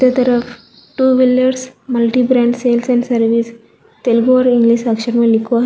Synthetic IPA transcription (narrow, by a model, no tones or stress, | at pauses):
ɐt̪ɐɾɐf | ʈuːʋiljɐɾsmɐlʈibɾãːɳɖseːlsɛ̃ɳɖsɐɾʋis | t̪elɡoːɾiŋɡliʃɐkʃɐɾmɐlikːua